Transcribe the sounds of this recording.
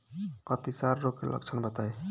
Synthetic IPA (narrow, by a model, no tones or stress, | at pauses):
ʌt̪isaɾːokelʔə̰k̚t͡ʃʰənbət̪aj